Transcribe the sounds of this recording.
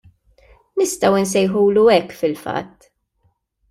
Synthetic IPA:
nɪst̪ɐwɪns̬ɛjħuːluɛkːfɪlfɐ̰t̪ː

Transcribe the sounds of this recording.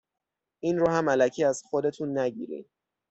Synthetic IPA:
ʔiːnɾoːɦæmælæcʰiːæz̥xo̞d̪e̞t̪ʰunːæɟḭːɾḭːd̪

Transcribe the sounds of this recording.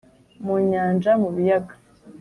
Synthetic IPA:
muɲaːnd͡ʒamuβijaɡḁ

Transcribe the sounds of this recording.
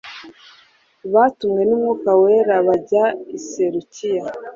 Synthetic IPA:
βatumŋe̞nimŋukaweɾaβaɟaiseɾucija

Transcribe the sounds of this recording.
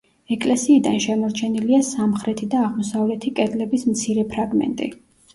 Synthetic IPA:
ɛkʼlɛsiːd̪anʃɛmɔɾt͡ʃʰɛniliasamχɾɛt̪ʰid̪aːʁmɔsavlɛt̪ʰikʼɛd̪lɛbismt̪sʰiɾɛpʰɾaɡmɛ̰nt̪ʼḭ

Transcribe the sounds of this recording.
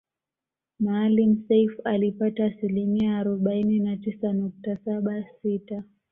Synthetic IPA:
maːlim̩sɛfalipataːsilimiaːɾɔɓaininatisanuk̚tasaɓasita

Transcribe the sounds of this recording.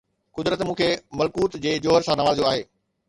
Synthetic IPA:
kʊd̪ɾət̪mũːkʰemɐlkuːt̪d͡ʑeːd͡ʑoːəɾsãːnɐʋaːld͡ʑjoaːɦeː

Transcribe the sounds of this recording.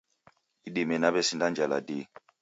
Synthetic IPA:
iɗemɛnaɓɛsindand͡ʒala̰de

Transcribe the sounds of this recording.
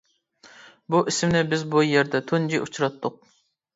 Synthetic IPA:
buʔisɪmnɪbɪzbujɛɾd̪ɛt̪ʰund͡ʒiʔut͡ʃʰɾɑt̪ʰːʊq̚

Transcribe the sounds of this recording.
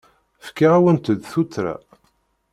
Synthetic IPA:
fkaʁawənt̪əd̪θut͡s̪ːɾa̰

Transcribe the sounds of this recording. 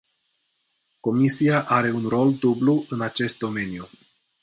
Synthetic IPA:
ko̞misiaʔaɾe̞unro̞ld̪ubluɨnat͡ʃe̞st̪̚d̪o̞me̞nju

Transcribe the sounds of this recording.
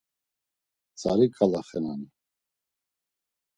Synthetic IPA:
t͡sʼaɾikʼalaχɛnani

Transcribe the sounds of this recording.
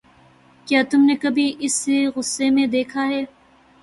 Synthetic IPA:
kjaːt̪ʊmnekɐbʱiʔɪseɣʊsːemẽd̪eːkʰaɦɛː

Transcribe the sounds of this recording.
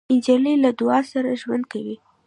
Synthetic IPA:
ɪnd͡ʒlilad̪ʊɑsaɾaʒwand̪̚kawi

